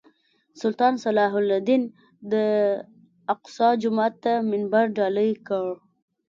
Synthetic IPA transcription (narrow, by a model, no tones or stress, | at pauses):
sʊlt̪ɑnsalɑɦʊlad̪in | d̪ə | aqsɑd͡ʒʊmɑt̪ːamɪnbɑɾɖɑləjkəɭ